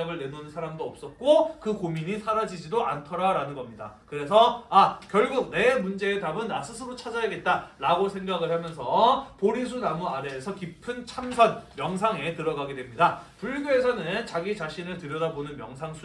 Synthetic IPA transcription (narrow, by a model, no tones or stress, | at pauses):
aɡɯɭne̞nonɯnsʰaɾamdoʌp̚s͈ʌt̚k͈okɯkomiɲisʰaɾad͡ʑid͡ʑidoʔantʰʌɾaɾanɯnɡʌmɲida̰kɯɾe̞sʰʌakjʌɭɡuk̚ne̞mund͡ʑe̞ːtabɯnas͈ʰɯsʰɯɾot͡ɕʰad͡ʑajaɡe̞t̚t͈aɾaɡosʰe̞ŋɡaɡɯɭhamjʌnsʰʌpoɾis̬ʰunamuadeːsʰʌkipʰɯnt͡ɕʰamsʰʌnmjʌŋs̬ʰaŋe̞tɯɾʌɡaɡedwemɲidapuɭɡjoe̞sʰʌnɯnt͡ɕaɡit͡ɕaɕʰinɯɭtɯɾjʌdabonɯnmjʌŋsʰaŋsʰ